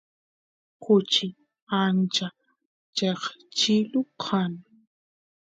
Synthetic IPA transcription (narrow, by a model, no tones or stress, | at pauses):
kʊt͡ʃɪ | ant͡ʃa | t͡ʃeχt͡ʃɪlʊqʰan